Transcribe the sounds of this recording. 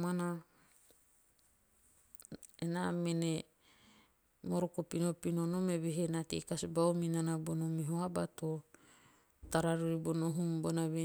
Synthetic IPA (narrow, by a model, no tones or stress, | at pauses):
mana | enamene | moɾokopinopinonomeβeɦenatḛkasbawminanabonomiɦoabato | taɾaɾuɾibonoɦumbonaβe